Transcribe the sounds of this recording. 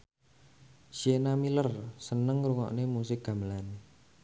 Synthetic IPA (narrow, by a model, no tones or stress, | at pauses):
ʃienamilərsənəŋruŋɔ̰ʔnemusɪk̚ɡ̥a̤məlan